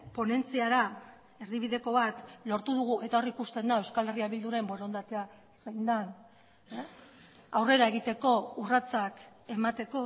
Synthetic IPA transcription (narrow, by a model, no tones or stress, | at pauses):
po̞ne̞nt͡siaɾa | e̞ɾðiβ̞iðe̞ko̞βat̪lo̞ɾt̪uðuɣue̞t̪ao̞rikust̪e̞nd̪aewskale̞riaβild̪uɾe̞mbo̞ɾo̞nd̪at̪ea | sejnd̪an | awre̞ɾae̞ɣ̞it̪e̞ko̞urat͡sake̞mat̪e̞ko̞